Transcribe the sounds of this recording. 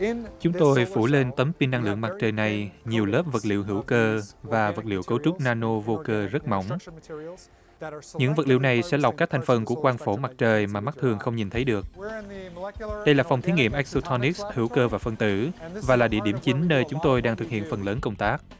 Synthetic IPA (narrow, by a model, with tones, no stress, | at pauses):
t͡ɕʊ˨˦ŋ͡mt̪o˧jfu˧˩le˧nt̪ə˨˦mpi˧nːa˧ŋlɨ̰˧˨əŋma˨˩k̚t͡ɕəː˨˩jna˨˩jɲi˨˩əwləː˦˥p̚və˨˩t̚lḭ˧˨wɦɨ˧˩əwkəː˧vaː˨˩və˨˩t̚lḭ˧˨əwkə˨˦wt͡ɕʊ˦˥k͡p̚naː˧no˧vo˧kəː˧zə˦˥t̚ma̰˧˨wŋ͡m | ɲɨ̰˧˥ŋvə˨˩lḭ˧˨wna˨˩jsɛ̰˧˥la˨˩wk͡p̚kaː˦˥k̚t̪ʰŋ̟fə˨˩nku˧˩əkwaː˧nfo˧˩ma˨˩k̚t͡ɕəː˨˩jmaː˨˩ma˦˥t̚t̪ʰɨ˨˩əŋxə˧wŋ͡mɲi˨˩nt̪ʰə˨˦jɗɨ˨˩ək̚ | ɗə˧jlaː˨˩fa˨˩wŋ͡mt̪ʰi˨˦ŋḭ˧˨əmʔɛ˦˥k̚so˧t̪ʰɔ˧ni˦˥k̚shɨ˧˩wkəː˧vaː˨˩fə˨˩nt̪ɨ̰˧˩vaː˨˩laː˨˩ɗḭ˧˨əɗi˧˩əmt͡ɕi˨˦ŋ̟ːəː˧jt͡ɕʊ˨˦ŋ͡mt̪o˧jɗaː˧ŋt̪ʰɨ˨˩k̚hḭ˧˨ənfə˨˩nləː˨˦nkə˧wŋ͡mt̪aː˦˥k̚